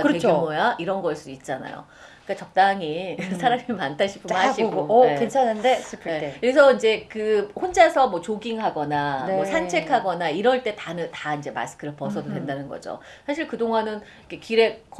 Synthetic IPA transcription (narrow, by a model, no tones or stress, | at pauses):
et͡ɕumojaʔiɾʌnɡʌɭs͈udit̚t͡ɕ͈ana̰jo̰ | k͈at͡ɕʌk̚t͈aŋisʰaɾamimantʰaɕʰi̥pʰɯmnaɕʰiɡoeent͡ɕʰanɯndesʰupʰeekɯɾesʰʌind͡ʑe̞kɯhond͡ʑaesʰʌmwʌt͡ɕoɡiŋɦaɡʌnamwʌsʰant͡ɕʰe̞kʰaɡʌnaiɾʌɭt͈e̞tanɯtaind͡ʑe̞ma̰s͈ʰɯ̥kʰɯɾɯpʌsʰʌdodwendanɯnɡʌ̰d͡ʑo̰ | sʰaɕʰiɭkɯdoŋanɯnikʰekiɾe̞k